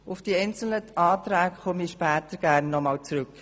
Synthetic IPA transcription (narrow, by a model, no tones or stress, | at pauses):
ʊfd̥iɛɪnt͡sl̩nəʔɑːtɾæːkχɔmiʃpæːt̪əɾɡ̥æɾnːɔmɑːlt͡sɾʏk